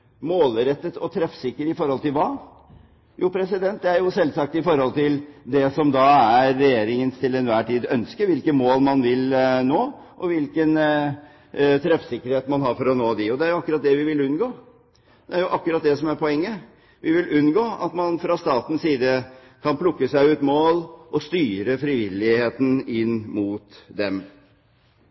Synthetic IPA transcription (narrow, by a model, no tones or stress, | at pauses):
moːlɾɛt̪ːət̪ɔt̪ʰɾɛfsɪkːəʈɪfɔɾhɔlt̪ɪlʋɑː | jʔṵːpʰɾɛsɪd̪ɛnt̪̚d̪ɛæɾjʊsɛlːsɑk̚t̪ɪfɔɾhɔlt̪ʰɪld̪ɛsɔmd̪ɑæɾːɛjeːɾɪŋənt̪ʰɪlɛnʋæːʈiːd̪œnskəɾʋɪlkəmoːlmɑnʋɪlnoː | ʔɔʋɪlkən | t̪ʰɾɛfsɪkːəɾheːt̪mɑnɦɑːɾfɔɾɔnoːd̪ɪɔd̪ɛæɾjʊɑkːɾɑt̪̚d̪ɛʋɪʋɪlʉnɡoː | d̪̥ɛæɾjʊʔɑkːʉɾɑt̪̚d̪ɛsɔmæɾpʰɔɛŋːə | ʋɪʋɪlʔʉnːɡoːɑt̪mɑnfɾɑst̪ɑːt̪n̩siːd̪ə | kʰɑnpʰlʊkːəsæɪʉːt̪moːlʔɔst̪yːɾəfɾɪʋɪlːɪheːt̪n̩ɪnmuːt̪d̪ɛm